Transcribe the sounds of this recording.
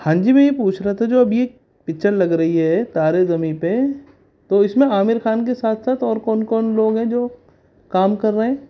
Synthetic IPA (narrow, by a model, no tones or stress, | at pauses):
hãːɲd͡ʒimẽjepuːt͡ʃʰɾaɦat̪ʰad͡ʒoːɐbje | pɪkt͡ʃəɾlɐɡɾɐɦiɦɛt̪aːɾezɐmipe | t̪oːɪsmẽaːmɪɾxaːnk̬esaːt̪ʰsaːt̪ʰɔːɾkɔːnkɔːnloːɡɦɛ̃d͡ʒoː | kaːmkɐɾːɐɦɛ̃ː